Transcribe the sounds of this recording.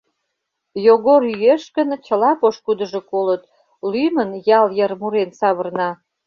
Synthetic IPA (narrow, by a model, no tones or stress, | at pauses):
joɣoɾyeʃkənt͡ɕə̆lɑpoʃkud̪əʒokolət̪̚ | lymənjɑljərmuɾensɑβərnɑ